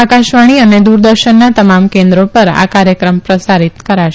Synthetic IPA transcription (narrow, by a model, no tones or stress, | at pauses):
akaʃʋaɽ̃iəned̪uɾd̪əɾʃənːat̪əmamkẽnd̪ɾopəɾa̰kaɾjəkɾəmpɾəsaɾit̪kəɾaʃe